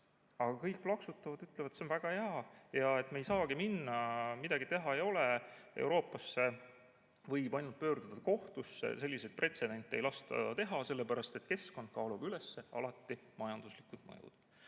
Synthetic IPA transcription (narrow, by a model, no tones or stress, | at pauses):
ɑɡ̥ɑkɤjk̚plɑksut̪ːˑɑvɑd̪yt̪levɑd̪t̪seonvæɡ̥ɑheɑjɑe̞t̪mejsɑːɡ̥iminːɑmid̪ɑɡit̪e̞ɦɑejo̞lee̞̰wɾo̞ːpːˑɑsːe̞ | vɤjbɑjnud̪̥̚pø̞ːɾd̪̥ud̪̥ɑko̞ht̪usːḛse̞lʲːised̪̥̚pre̞t̪se̞d̪̥e̞nt̪ˑːe̞jlɑst̪ɑ̰t̪e̞ɦɑse̞lːepæɾɑst̪e̞t̪ke̞sko̞nd̪̚kɑːlub̥yle̞sːe̞ɑ̰lɑt̪ːimɑjɑnd̪̥uslikud̪̥mɤ̰jṵd̪̥